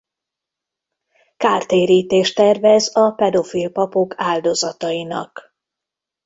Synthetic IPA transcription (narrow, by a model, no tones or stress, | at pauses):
kaːrt̪eːɾiːt̪eːʃt̪ɛrvɛzɒpɛd̪o̞filpɒpokʰaːld̪o̞zɒt̪ɒjinɒ̰k